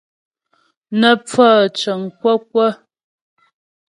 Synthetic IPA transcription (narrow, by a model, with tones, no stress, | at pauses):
nə˦p͡fə˦˨t͡ʃə˨ŋkwə˦k̚wə˦